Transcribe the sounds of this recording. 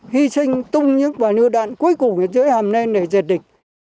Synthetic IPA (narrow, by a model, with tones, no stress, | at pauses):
hi˧sï˧ŋ̟t̪ʊ˧ŋ͡mɲɨ̰˧˥ŋvaː˨˩nɨ̰˧əɗa̰ː˧˨nku˨˦əjkʊ˨˩ŋi˧˩zəː˨˦jhaː˨˩mne˧nɗe˧˩ze˨˩t̚ɗï˨˩k̟̚